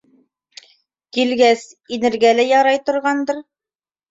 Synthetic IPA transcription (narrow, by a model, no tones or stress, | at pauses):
kilɡæs | inɘ̆ɾɡælæjɑɾɑjt̪ŏɾʁɑnd̪ɤɾ